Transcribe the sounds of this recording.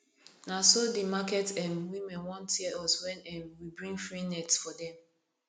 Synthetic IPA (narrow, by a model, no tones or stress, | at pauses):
nasodimakɛtɛ̃mwimɛ̃nwɔ̃ntɛɔswɛ̃nɛ̃mwibɹĩŋɡfɹinɛtsfɔdɛ̃m